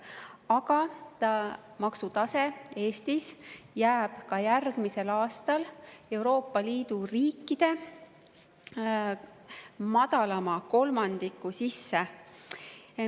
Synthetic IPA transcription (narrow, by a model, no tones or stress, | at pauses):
ɑɡ̥ɑt̪ɑmɑksut̪ɑse̞e̞ːst̪isjæːb̥kɑjærɡ̥mise̞lɑːst̪ɑle̞wɾo̞ːpːˑɑliːd̪uriːkːid̪̥e̞ | mɑd̪ɑlɑmɑko̞lmɑnd̪̥ikːˑusisːe̞